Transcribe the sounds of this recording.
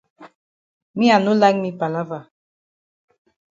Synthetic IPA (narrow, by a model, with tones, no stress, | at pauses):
mĩ˦a˨nu˦la˦ŋmi˦pa˨la˦va˨